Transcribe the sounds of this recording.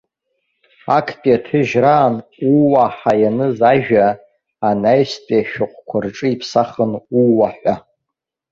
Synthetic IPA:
akʰpʼjatʰɨʒraːnuwaħajanɨzaʒᶣaː | najstʼeʃᶣʊqʷkʷʰarʈ͡ʂʼɨipʰsaχənuwaħᶣʷa

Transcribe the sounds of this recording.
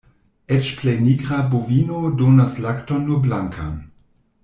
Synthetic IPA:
ɛt͡ʃplejniɡʁabovinodonaslaktonːoblaŋkʰa̰n

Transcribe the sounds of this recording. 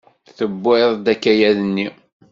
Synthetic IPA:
θəbːeðˤd̪ækːæjæðənːi

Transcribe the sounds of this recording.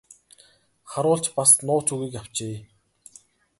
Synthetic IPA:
χaɾʊːɬt͡ɕpasnʊːt͡suɣiːkaw̥t͡ɕeː

